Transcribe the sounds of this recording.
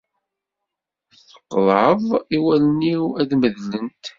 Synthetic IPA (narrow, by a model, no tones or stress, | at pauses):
θə̥qːðˤʕəðˤiwælniwæðməðlənt̪